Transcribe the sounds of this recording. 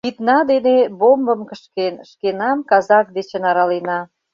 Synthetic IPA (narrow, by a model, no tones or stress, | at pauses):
pit̪nɑd̪enebombəmkəʃkenʃkenɑmkɑzɑk̚d̪et͡ɕenɑɾɑlenɑ